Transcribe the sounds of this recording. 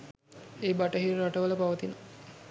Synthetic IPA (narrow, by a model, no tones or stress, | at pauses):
eːbaʈəɦirːaʈəʋələpaʋət̪inə